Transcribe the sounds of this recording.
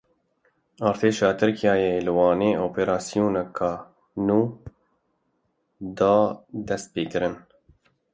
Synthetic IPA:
ɑːɾt̪ʰeːʃɑːt̪ʰɨɾkʰijɑːjeːlɨwɑːneːoːpeːɾɑːsijuːnɛkʰɑː | nuː | d̪ɑːd̪ɛst̪̚peːkɨɾɨn

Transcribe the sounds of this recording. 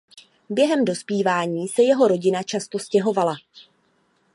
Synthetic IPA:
bjɛɦɛmdo̞spiːvaːɲiːsɛjɛɦo̞ɾoɟɪnat͡ʃast̪o̞scɛɦo̞vala

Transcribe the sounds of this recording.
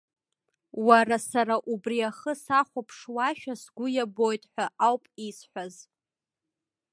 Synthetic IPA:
waɾasaɾaʔubriaχəsaχʷapʰʂwaʃᶣasɡʷʊjabo̞jtʼħʷᶣaʔawpʼisħʷᶣaz

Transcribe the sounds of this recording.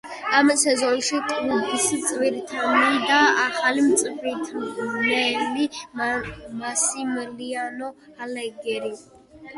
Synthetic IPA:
amsɛzɔnʃit̪ʼɾuɡisɨt͡sʼviɾt̪ʰanid̪aːχalɨmt͡sʼɨfɾit̪ʰnɛli | masimlianɔhalɛɡɛɾi

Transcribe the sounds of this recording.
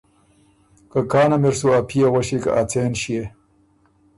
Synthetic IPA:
kakɑːnameɾsuapʰijawaɕika̰ʔat͡seːnɕije

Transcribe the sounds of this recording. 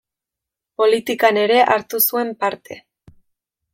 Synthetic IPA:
po̞lit̪ikane̞ɾe̞ʔaɾt̪usue̞mpaɾt̪e̞̰

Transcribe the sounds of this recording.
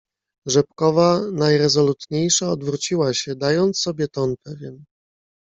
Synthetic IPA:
ʐɛpkɔvanajɾɛzɔlut̪ɲejʂaɔd̪vɾut͡ɕiwaɕɛd̪ajɔnt̪sɔbʲɛt̪ɔnpɛvʲjɛn

